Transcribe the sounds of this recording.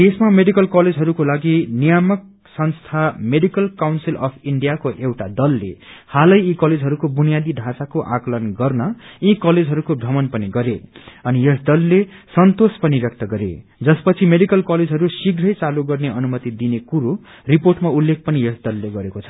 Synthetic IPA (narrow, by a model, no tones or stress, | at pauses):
esmameɽikʌlkʌled͡zʱɦʌɾukolaɡinijamʌk̚ | sʌnst̪ʰameɽikʌlkawnsilʌpʰiɳɖijakoʔewʈad̪ʌlːḛhalʌjikʌled͡zɦʌɾukobunijad̪iɖʱasakoʔaklʌnɡʌrnʌĩkʌled͡zʱɦʌɾukobʱʌmʌnpʌniɡʌɾeʌnijʌsd̪ʌlːesʌnt̪ospʌniɾʌk̚t̪ʌɡʌɾḛd͡zʌspʌt͡sʰimeɽikʌlkʌled͡zɦʌɾusiɡɾʌjt͡saluɡʌrneʌnumʌt̪id̪inekuɾo | riporʈmaulːek̚ʰpʌnijesd̪ʌlːeɡʌɾekot͡sʰʌ̥